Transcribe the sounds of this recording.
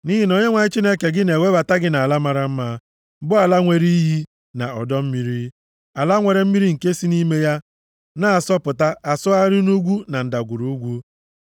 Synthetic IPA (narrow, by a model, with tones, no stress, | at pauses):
ni˦ɦi˦no˨ɲe˦ŋʷa˨ɲɪ˦t͡ʃi˦ne˦ke˨ɡɪ˦ne˨wʷe˦ba˨ta˦ɡɪ˦na˨a˨la˦ma˦ɾa˦m̩˦ma˦ | bʊ˦a˨la˦ŋʷe˨ɾi˦ɦi˦ | na̰˨ɔ̰˨dɔ˦m̩˦mi˦ɾi˦ | a˨la˦ŋʷe˨ɾe˨m̩˦mi˦ɾi˦ŋ̩˨ke˦si˦ni˦me˦ja˦ | na˦a˨sɔ˦pʊ˨ta˦a˨sʊ˦a˦ɾi˦nu˦ɡʷu˦na˨n̩˨da˨ɡʷu˨ɾu˦ɡʷu˦